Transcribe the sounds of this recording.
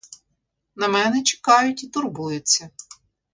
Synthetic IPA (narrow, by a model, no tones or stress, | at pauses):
nɐmɛnɛt͡ʃe̥kɑjʊtʲit̪ʊrbujʊt͡sʲːɐ